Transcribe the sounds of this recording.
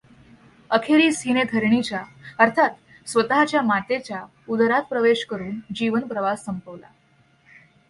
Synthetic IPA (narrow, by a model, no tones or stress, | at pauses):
əkʰeɾiːsined̪ʰʱəɾɳit͡ɕjaəɾt̪ʰat̪ | sʋət̪aɦat͡ɕjamat̪et͡ɕja | ud̪ʱəɾat̪̚pɾəʋeɕkəɾuːnd͡ʑiʋənpɾəʋasːəmpəʋla̰